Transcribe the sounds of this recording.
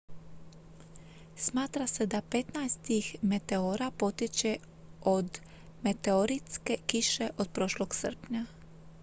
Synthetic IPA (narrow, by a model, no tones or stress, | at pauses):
smaːt̪ɾase̞d̪apet̪najst̪ixme̞t̪e̞oɾapo̞t̪jet͡ɕe | od̪ | me̞t̪eoɾit̪skekiʃe̞ʔod̪̚pɾoʃloɡsər̩pɲa